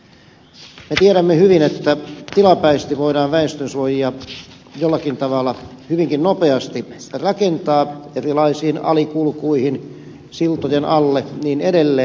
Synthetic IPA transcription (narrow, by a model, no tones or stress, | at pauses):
met̪ieɾæmːehyʋinet̪ːæt̪ilɑpæist̪iʋoiɾɑːnʋæest̪ønsuojiɑ | jolːɑkint̪ɑʋɑlːˑɑ | hyʋiŋkinnopeɑst̪irɑkent̪ɑːerilɑisiːnɑ̰likulkuihin | silt̪ojenʔɑlːeniːnedelːe